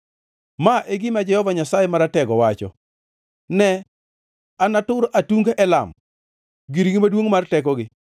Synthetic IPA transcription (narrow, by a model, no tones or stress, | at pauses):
maʔeɡɪmad͡ʒɛhɔvaɲasajemaɾatɛɡɔwat͡ʃɔ̰ | nɛ | anatʊɾʔatuŋɡaʔɛla̰m | ɡiɾiɡɪmadwoŋmartɛkɔɡɪ